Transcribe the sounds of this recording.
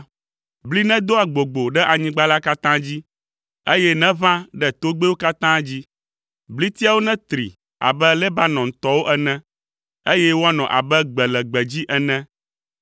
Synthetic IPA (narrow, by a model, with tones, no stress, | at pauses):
bli˦nɛ̃˦d̪o˦a˨ɡ͡bo˨ɡ͡bo˨ɖɛ˦ʔa˨ɲĩ˦ɡ͡ba˦la˦ka˦t̪ã˦d͡ʑi˦ | e˦jɛ˦nɛ̃˦vã˦ɖɛ˦t̪o˦ɡ͡be˦wo˦ka˦t̪ã˦d͡ʑi˦ | bli˦t̪i˦a˦wo˦nɛ̃˦t̪ɾḭ˨ | a̰˨bɛ˦lɛ˦ba˦nɔ̃˨ŋ̩˨t̪ɔ˦wo˦ʔɛ˦nɛ̃˦ | e˦jɛ˦wo˦a˦nɔ̃˨ʔa̰˨bɛ˦ɡ͡bɛ˨lɛ˨ɡ͡bɛ˨d͡ʑi˦ʔɛ˨nɛ̃˦